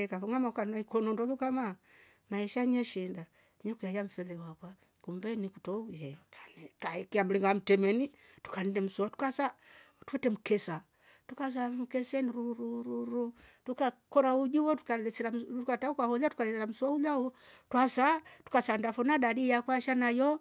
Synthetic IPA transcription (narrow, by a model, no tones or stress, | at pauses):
ɛkafɔŋɡamakanaikɔnɔndɔlukama | maɛʃaɲɛʃinda | ɲɛkujajam̩fɛlɛwakwa | kumbɛnikutɔujɛkanɛkaɛkiam̩liŋɡam̩tɛmɛnitu̥kanɛnɛm̩sɔatu̥kasa | tu̥ɛtɛm̩kɛsa | tukas̬am̩kɛsɛniɾuɾuɾuɾutukakɔɾaud͡ʒuwɔtu̥kalɛsɛlamtukataukahɔlatu̥kalɛsɛɾam̩suaulautwasatu̥kasandafɔnadadijakwaʃanajɔ